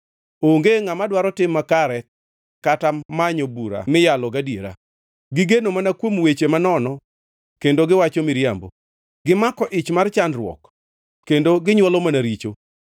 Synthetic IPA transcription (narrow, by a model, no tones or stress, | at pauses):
oŋɡeŋamadwaɾɔtɪmːakaɾɛ | katamaɲobuɾa̰mɪjalɔɡadiḛɾa̰ | ɡɪɡenomanakwomwet͡ʃemanɔnɔ | kendoɡɪwat͡ʃomɪɾjambo̰ | ɡɪmakɔʔɪt͡ʃmart͡ʃanɾwɔ̰k | kːendoɡɪɲwɔlɔmanaɾit͡ʃo